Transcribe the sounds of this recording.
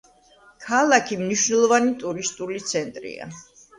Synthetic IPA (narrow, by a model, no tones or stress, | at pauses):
kʰalˠakʰimniʃnɛlˠɔvanit̪ʼuɾist̪ʼulit̪sʰɛnt̪ʼɾḭa̰